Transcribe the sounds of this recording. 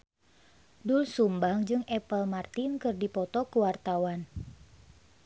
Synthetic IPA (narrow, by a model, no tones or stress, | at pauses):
dulsumbaŋd͡ʒɨŋʔɛpəlmart̪inkɨrdipɔt̪ɔkuwart̪awan